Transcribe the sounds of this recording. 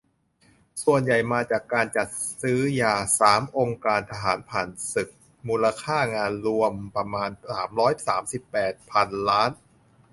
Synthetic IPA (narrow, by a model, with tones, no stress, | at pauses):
su˨˩ənja˨˩jmaː˧t͡ɕaː˨˩kːaː˧nt͡ɕa˨˩t̪̚sɯː˦˥jaː˨˩saː˩˦mʔo˧ŋkaː˧nt̪ʰa˧ɦaː˩˦npʰaː˨˩nsɯ˨˩k̚ | muː˧la˧kʰaː˥˩ŋaː˧nɾu˧əmpɾa˧maː˧nsaː˩˦mɾɔː˦˥jsaː˩˦msi˨˩pːɛː˨˩t̪̚pʰa˧nlaː˦˥n